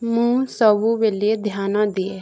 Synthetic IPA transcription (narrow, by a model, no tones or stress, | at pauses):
mũːsəbuːʋeːlied̪ʱjaːnãːd̪ɪeː